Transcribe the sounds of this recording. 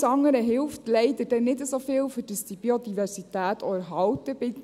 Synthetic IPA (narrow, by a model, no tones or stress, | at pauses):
sɑŋːəɾəɦɪlftlɛɪd̪əɾd̥ɛnɪdəsofɪːlfʏdəst̪ib̥iod̥̪ivɛɾsitæːt̪ʰɔəɾɦɑltəbɪ